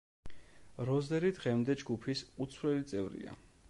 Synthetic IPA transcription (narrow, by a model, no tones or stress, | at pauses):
ɾɔzd̪ɛɾid̪ʁɛmd̪ɛd͡ʒɡupʰisut̪sʰvɾɛlit̪sʼɛvɾḭa̰